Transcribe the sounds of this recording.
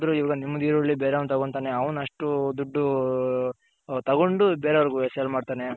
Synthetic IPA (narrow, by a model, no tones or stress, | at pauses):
d̪ɾuiʋaːɡɐnimːud̪iːɾoɭːibeːɾeɐʋnt̪ɐɡoɳɖ̪t̪aːneɐʋɐnɐʂʈud̪uɖːu | t̪ɐɡo̞ɳɖubeːɾeʋɐɾɡuesjɐlmaːɖt̪aːne